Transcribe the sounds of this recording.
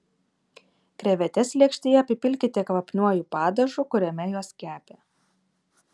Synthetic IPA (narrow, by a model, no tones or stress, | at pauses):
kɾʲɛʋʲɛt̪ʲɛsʲlʲiɛkʃʲt̪ʲejɛɐpʲɪpʲɪlʲkʲɪt̪ʲɪkʋɐpʲnʲuɔjuːpɑːd̪ɐʒukʊɾʲɛmʲɛjuɔskʲæːpʲeː